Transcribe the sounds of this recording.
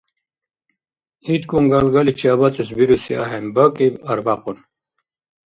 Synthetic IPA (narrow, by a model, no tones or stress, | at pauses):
it̪kuŋɡalɡɐlit͡ɕaːβɐt͡sesbiɾusia̰ɦembɐkibɐɾbaqun